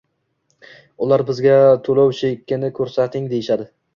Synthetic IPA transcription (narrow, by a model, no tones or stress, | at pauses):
ʊlaɾbɪzɡʲat̪ʰolˠɒwʃekʲːɪnɪkʰɵɾsat̪ʰɪŋd̪ejɪʃad̪ɪ